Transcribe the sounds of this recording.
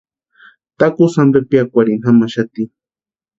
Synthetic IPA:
t̪akusambepiakʷaɾinhamaʃat̪i

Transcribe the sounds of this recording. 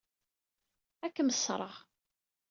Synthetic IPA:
ækːəməsːɾˤəʁ

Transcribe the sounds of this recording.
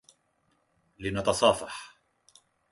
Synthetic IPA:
lɪnɑt̪ɑsˤɑːfɑħ

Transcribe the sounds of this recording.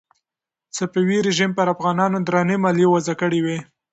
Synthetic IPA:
t͡sapiwiɾɪʒimpəɾafɣɑnɑnod̪ɾɑnemɑljewazakəɽiwe

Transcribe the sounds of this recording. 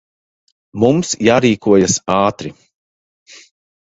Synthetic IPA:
mumsjaːɾiːkʰuɔjasaːt̪ɾi

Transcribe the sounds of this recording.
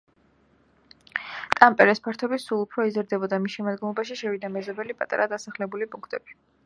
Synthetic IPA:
t̪ʼampʼɛɾɛspʰaɾt̪ʰɔbisulˠupʰɾɔizɾd̪ɛbɔd̪amisʃɛmad̪ɡɔmlˠɔbaʃiʃɛvid̪amɛzɔbɛlipʼat̪ʼa̰ɾad̪asaχlɛbulipʼuŋkʰt̪ʼɛb̥i

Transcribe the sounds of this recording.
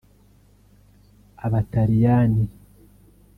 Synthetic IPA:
aβataɾijani

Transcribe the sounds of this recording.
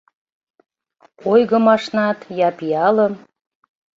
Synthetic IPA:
ojɣə̆mɑʃnɑt̪jɑpiɑləm

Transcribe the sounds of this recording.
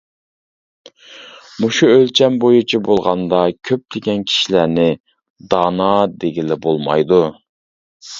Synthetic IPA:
muʃuølt͡ʃʰɛnbojut͡ʃʰibolˠʁɑnd̪ɑkʲʰøp̚d̪ekʲɛnkʲʰi̥ʃilænɪ | d̪ɑːnɑd̪eɡʲilɪbolˠmɑ̰jd̪u

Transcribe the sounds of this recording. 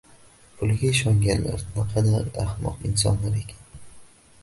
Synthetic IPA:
pʰʊlɡʲaɪʃɒŋɡʲanla̰ɾnɪqʰɑd̪aɾahmɒ̰qɪns̬ɒ̰nlaɾe̞kʲʰḁn

